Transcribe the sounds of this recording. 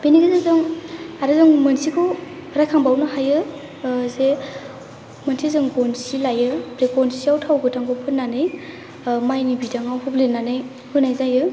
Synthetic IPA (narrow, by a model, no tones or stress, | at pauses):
beniɡɯzezɯŋaɾɯzɯŋmɯnsikʰɯwɾajkʰaŋbawnɯɦajɯ | ze | mɯnsʰizɯŋɡɔnsilajɯbɾeɡɔnsiawtʰawɡɯtʰaŋɡɔpʰɯnːanɯj | majnibidaŋawpʰɔblenanɯj | hɯnajzajɯ